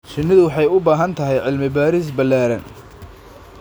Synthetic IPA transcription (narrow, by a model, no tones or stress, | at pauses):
t͡ʃɪnːɪðʊwɑħɑjʊbaːɦɐnt̪ʰɐɦɛjʕɪlmɪbaːɾis̬bɐlːaːɾɐ̰n